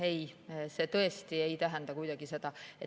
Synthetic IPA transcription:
e̞jse̞t̪ɤest̪iejt̪æɦænd̪ɑkujd̪̥ɑɡ̥ise̞d̪ɑet

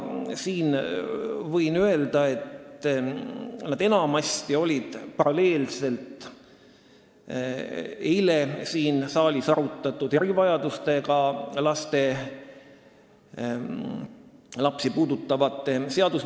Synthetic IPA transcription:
siːn | vɤjnye̞ld̪̥ɑe̞t̪ | nɑd̪̥e̞nɑmɑsʲt̪io̞lʲid̪̥pɑɾɑle̞ːlse̞lt̪ | e̞jlesiːnsɑːlʲisɑɾut̪ːˑɑt̪ːˑud̪̥e̞ɾivɑjɑd̪̥ust̪e̞ɡɑlɑst̪e̞ | lɑpsipuːd̪ut̪ːˑɑvɑt̪ːˑe̞se̞ɑd̪us

